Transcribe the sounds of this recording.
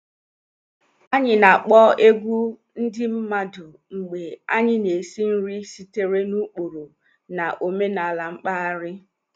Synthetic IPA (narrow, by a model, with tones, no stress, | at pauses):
a˦ɲɪ˨na˨k͡pɔ˦e˦ɡʷu˦ | n̩˦dɪ˦m̩˦ma˦dʊ˨ | ŋ͡m̩˨ɡ͡be˨a˦ɲɪ˦ne˨si˦n̩˦ɾi˦si˦te˦ɾe˦nu˦k͡po˨ɾo˨ | na˨ʔo˨me˦na˨a˨la˨ŋ͡m̩˦k͡pa˦a˦ɾɪ˦